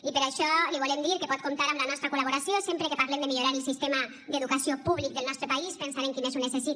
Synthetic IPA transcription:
ipeɾaʃɔliβulemd̪iɾkepɔt̪̚komt̪aɾamlanɔst̪ɾakulaβoɾasjosempɾekepaɾlemd̪emiʎoɾaɾelsist̪ema | d̪eðukasiopuβlik̚d̪elnɔst̪ɾepaispensaneŋkimezunesesit̪

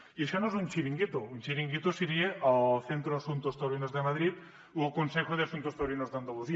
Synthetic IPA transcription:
ieʃonoesunʲt͡ʃiɾiŋɡit̪ounʲt͡ʃiɾiŋɡit̪osiɾieaθent̪ɾoasunt̪ost̪awɾinozðemaðɾit̪ | ukonsexoð̞easunt̪ost̪awɾinozdand̪oluzi

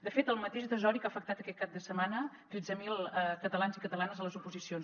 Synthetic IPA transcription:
d̪əfet̪əlˠmət̪eʃd̪əzɔɾikafək̚t̪at̪əkɛt̪̚kap̚d̪əsəmanət̪ɾɛd͡zəmilˠəkət̪əlanzikət̪əlanəzələzupuzisions

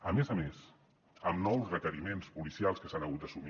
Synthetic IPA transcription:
əmezəmes | əmnɔwzrəkəɾimenspulisialˠskəsanəɣut̪əsumi

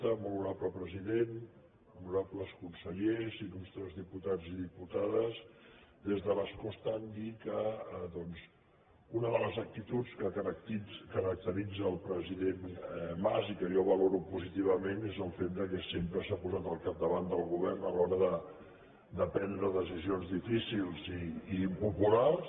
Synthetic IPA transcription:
t̪əmuluɾapləpɾəziðen | muɾapləskunsəʎezinunst̪ɾɛzðiput̪ad͡ziðiput̪aðəzd̪ezðəβaskɔst̪and̪ikəəðɔnz | unəðələzək̚t̪it̪ut͡skət̪kəɾək̚t̪əɾid͡zəːlˠpɾəziðenmazikəjɔβəloɾupuzit̪iβ̞əmenezəlˠfet̪̚d̪əkɛsempɾəsapuzat̪əlˠkap̚d̪əβand̪əlˠɣuβɛrnəlɔɾəðə | d̪əpɛnd̪ɾəðəsizionzðifisilˠziːpupulars

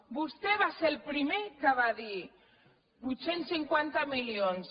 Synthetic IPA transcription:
bust̪eβaselpɾimekəβaði | but̪senssiŋkwant̪amilions

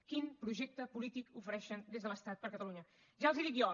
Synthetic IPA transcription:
kimpɾuʒɛk̚t̪əpulit̪ikufəɾɛʃənd̪ezðələst̪at̪̚pəɾkət̪əluɲə | ʒaəlˠziðiɣɔ

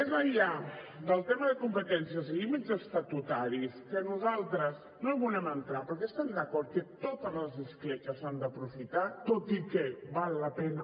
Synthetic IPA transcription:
ezəʎad̪əlˠt̪ɛməðəkumpət̪ɛnsiəzlimizəst̪ət̪ut̪aɾiskənuzalˠt̪ɾəz | noβulɛmənt̪ɾapəɾkɛəst̪ɛmd̪əkɔɾt̪̚kət̪ot̪əzləzðəsklɛt͡ʃəzand̪əpɾufit̪at̪ot̪ikɛβalˠːəpɛnə

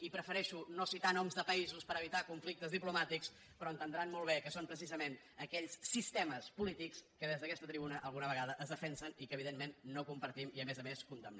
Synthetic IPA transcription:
ipɾəfəɾɛʃunosit̪anɔmzðəpəizuspəɾəβ̞it̪akuɱflik̚t̪əzðiplumat̪iks | pɾɔənt̪ənd̪ɾanmɔlˠβɛkəsompɾəs̬izəmen | əkɛʎsːist̪ɛməspulit̪ikskəðezðəkɛst̪ət̪ɾiβunəʔəlˠɣunəβəɣaðəʔəzðəfɛnsənikəːβ̞iðenmenːokumpəɾt̪imiəmɛzəmeskunt̪əmn

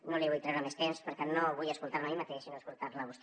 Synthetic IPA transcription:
noliβujt̪ɾɛwɾəmest̪emspəɾkɛnoβujəskulˠt̪aɾməimat̪eʃsinoəskulˠt̪aɾləβust̪

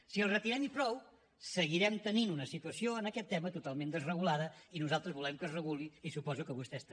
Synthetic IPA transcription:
siəlˠrət̪iɾɛmpɾɔw | səɣiɾɛmt̪əninunəsit̪uəsioənəkɛt̪ːɛmət̪ut̪alˠmẽnd̪əzrəɣulaðəinuzalˠt̪ɾəzβulɛmkəzrəɣuliisupɔzukəβust̪ɛst̪

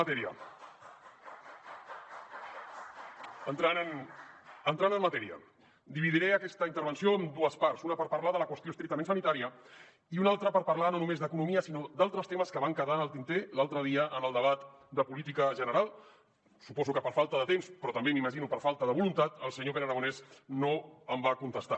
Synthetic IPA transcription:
t̪ɛɾiə | ənt̪ɾanən | ənt̪ɾanənmət̪ɛɾiə̰ | d̪iβiðiɾɛəkɛst̪əint̪əɾβ̞ənsioəmd̪uəspaɾsunəpəɾpəɾlaðələkwəst̪iost̪ɾik̚t̪əmensənit̪aɾiə | iunalˠt̪ɾəpəɾpəɾlanonumezd̪əkunumiəsinod̪alˠt̪ɾəst̪eməskəβaŋkəðanəlˠt̪int̪elalˠt̪ɾəð̞iəʔənəlˠd̪əβ̞at̪ | d̪əpulit̪̬ikəʒənəɾalˠ | supɔzukəpəɾfalˠt̪əðət̪emspɾɔt̪əmbemiməʒinupəɾfalˠt̪əðəβulunt̪at̪əlˠsəɲoβenəɾaɣunɛsnoəmbakunt̪əst̪a̰

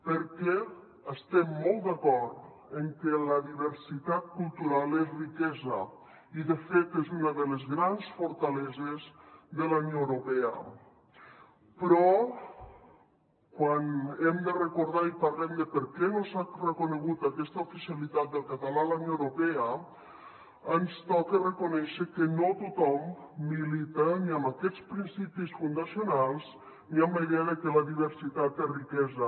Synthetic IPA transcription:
pəɾkɛ | əst̪ɛmːɔlˠt̪d̪akɔɾt̪ | eŋkelaðiβeɾsit̪at̪̚kulˠt̪uɾalezrikɛza | iðefet̪ezunaðəlezɣɾansfoɾt̪alɛzezðəlanjowɾopɛa̰ | pɾɔ | kwanɛmd̪ərekoɾð̞aipaɾlɛmd̪əpəɾkɛnosarekoneɣ̞ut̪akɛst̪aofiselit̪at̪̚d̪əlˠkat̪alalanjoewɾopɛə | ənst̪ɔkerekonɛʃekenot̪ut̪ɔmː | ilit̪əniambakɛt͡spɾinsipisfund̪asionalˠs | niamejɣɛɾəkelaðiβ̞eɾsit̪at̪erikɛza

